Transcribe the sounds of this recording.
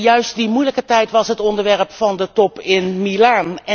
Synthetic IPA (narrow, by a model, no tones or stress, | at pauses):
jœɥst̚dimujləkətɛjtʋɑsɦətɔndəɹʋɛrpfɑndətɔpɪnmilanɛ